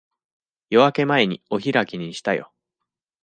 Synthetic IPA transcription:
jo̞βake̞mae̞ɲ̟io̞çiɾakʲiɲ̟iɕi̥t̪ajo̞̰

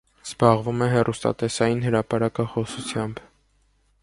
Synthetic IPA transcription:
z̥bɑʁvumɛɦɛrʔust̪ɑ̰t̪ɛsɑjinhəɾɑpɑɾɑkɑχɔsut͡sʰjɑmb

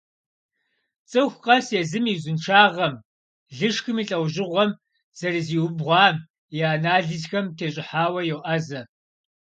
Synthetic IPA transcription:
t͡sʼɨxʷqʼɐseːzɨmizʊnʈ͡ʂʰaːʁɐm | ɮɨʂxɨmiːɬʼɐwʒɪʁʷɔm | z̥ɐrɨziːwʊbʁʷɑːm | jaːnaːɮɨzxɐmtʰeːɕʼɪħaːwɐjɛwʔɐzɐ

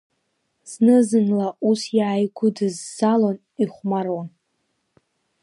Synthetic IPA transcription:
z̥nɨzɨnlaʔusjaːjɡʷʊdɨzːalon | iχʷmaɾan

